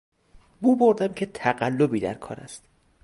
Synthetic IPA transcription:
buːboɾd̪æmcʰe̞t̪ʰæɢælːobiːd̪æ̰ɾkʰɒ̰ːɾæ̰st̪

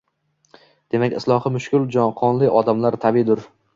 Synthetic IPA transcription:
d̪̥e̞makʲɪ̰slˠɒhɨmʊʃkʰʲʊlˠd͡ʒɒnqʰɒnlɪʔɒd̪amlaɾt̪ʰabid̪ʊɾ

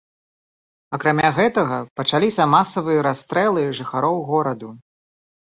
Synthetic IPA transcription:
ɐkɾamʲaɣɛt̪ɐɣɐpɐt͡ʂalʲisʲɐmasɐvɨjɐɾast̪ɾɛlˠɨʐɨxaɾɔwɣɔɾɐd̪u

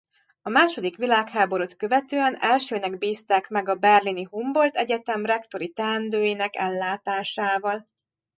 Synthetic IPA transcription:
ɒmaːʃo̞d̪ikʋilaːkhaːbo̞ɾot̪kø̞vɛt̪øːɛnɛlʃøːnɛɡbiːst̪aːkmɛɡɒbɛrliniɦumbo̞lt̪ɛɟɛt̪ɛmrɛkt̪o̞ɾit̪ɛnd̪øːjinɛkɛ̰lːaːt̪aːʃaːvɒl

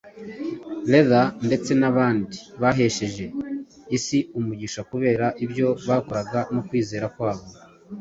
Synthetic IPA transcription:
le̞ðande̞t͡se̞naβaːndiβaɦe̞ʃe̞ʒe̞ | isiumuɟiʃakuβe̞ːɾaʔibjo̞βakoɾaɡanokwiːze̞ːɾakwaːβo̞

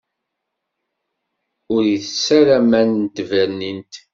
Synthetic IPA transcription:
ʊɾiθəsːæɾæmænt̪ːvæɾnint̪

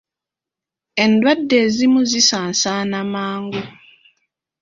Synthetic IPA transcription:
e̞ndwadːe̞ːzimuzisaːnsaːnamaːŋɡu

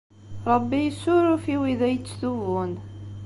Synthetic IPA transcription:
ɾˤəbːijəsːʊɾufiwiðæjt͡sːθuvʊn

